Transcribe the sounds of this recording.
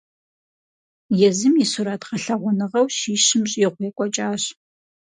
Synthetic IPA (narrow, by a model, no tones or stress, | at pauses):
jɛzɨmjisuɾaːtʰʁɐɬɐʁʷʊnɨʁɐwʃiːʃɪmɕʼiʁʷjɛkʷʼɔt͡ʃʼaːɕ